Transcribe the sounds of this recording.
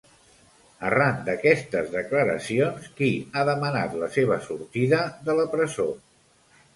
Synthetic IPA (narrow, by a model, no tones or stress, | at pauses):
ərand̪əkɛst̪əzðəkləɾə̰sionskiaðəməna̰t̪ləseβ̞əsuɾt̪iðəðələpɾəzo